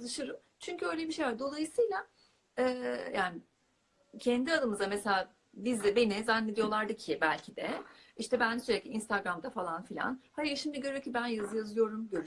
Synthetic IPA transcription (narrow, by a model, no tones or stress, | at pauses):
lˠɯʃɯɾɯm | t͡ʃʰyɲcʰyø̞jlʲebiʃejlʲæɾd̪o̞lˠajɯsɯjlʲˠa | ɛːjaːnɪ | cʰɛnd̪iad̪ɯmɯzd̪amese̞lʲaː | bizd̪ɛbe̞nizanːed̪ijo̞lˠaɾd̪ɯcʰibælʲcʰid̪ɛiʃt̪ɛbænsyɾɛclʲiinst̪ʰaɡɾamd̪afalˠanfilʲa̰nhajɯɾʃimd̪iɟøɾejocʰibænjazɯjazɯjo̞ɾumɟøɾ